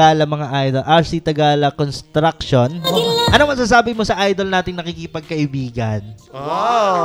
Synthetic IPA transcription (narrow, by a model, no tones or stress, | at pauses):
aːlɐmɐŋaʔajd̪olʔɐɹsit̪ɐɡaːlɐkonst̪ɾak̚ʃonʔɐnoŋmɐs̬aːs̬aːbɪmosɐʔajd̪olnaːt̪ɪŋnɐkiːkɪpɐɡ̚kɐʔɪbiːɡɐno